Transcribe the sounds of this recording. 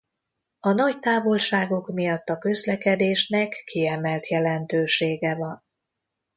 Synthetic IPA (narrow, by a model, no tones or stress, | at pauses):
ɒnɒct̪aːvo̞lʃaːɡo̞kmijɒt̪ːɒkø̞zlɛkɛd̪eːʃnɛkːiɛmɛlt̪jɛlɛnt̪øːʃeːɡɛvɒn